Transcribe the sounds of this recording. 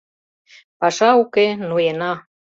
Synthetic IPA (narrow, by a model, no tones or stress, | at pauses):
pɑʃɑukenujenɑ